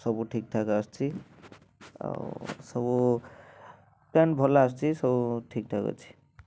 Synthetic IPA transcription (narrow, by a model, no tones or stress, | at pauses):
sʌbuʈʰik̚ʈʰakaʌst͡sʰi | sʌbu | panbʱolaʌst͡sʰisʌbuʈʰik̚ʈʰakɔ̰t͡sʰi̥